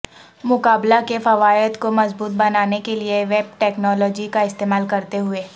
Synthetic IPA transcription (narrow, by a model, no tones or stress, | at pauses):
mʊkaːblakefɐʋaːjət̪komɐzbuːt̪̚bɐnaːnekelieʋeːb̚ʈɛːknɔːlɔːd͡ʒikaɪst̪eːmaːlkɐɾt̪eɦʊeː